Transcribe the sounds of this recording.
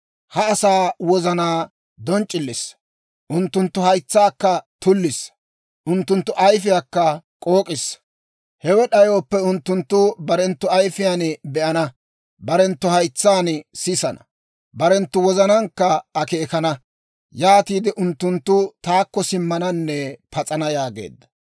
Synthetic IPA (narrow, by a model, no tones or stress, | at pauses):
hɐːsaːwɔzɐnaː | d̪ɔnt͡ʃʼːɪlːɪs | ʔʊnt̪ːʊnt̪ːʊhɐjt͡sːaːkːɐt̪ʊlːɪs | ʔʊnt̪ːʊnt̪ːʊʔɐjfɪjakːɐkʼo̞ːkʼɪs | hɛwɛɗɐjoːpːɛʊnt̪ːʊnt̪ːʊbɐɾɛnt̪ːʊɐjfɪjaːnbɛʔɐnɐ | bɐɾɛnt̪ːʊhɐjt͡sːaːnsɪsɐnɐ̰ | bɐɾɛnt̪ːʊwɔzɐnɐŋkːɐːke̞ːkɐnɐ | jaːt̪iːd̪ɪʔʊnt̪ːʊnt̪ːʊt̪aːkːɔsɪmːɐnɐnːɛpɐt͡sʼɐnɐjaːɡḛːd̪ːɐ̥